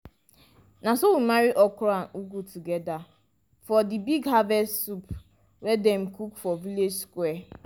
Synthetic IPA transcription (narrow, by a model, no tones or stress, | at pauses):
nasowimaɾiʔɔkɾanuɡutuɡɛda | fɔdibiɡɦavɛsup | wɛdɛm̩kukfɔviled͡ʒskwɛ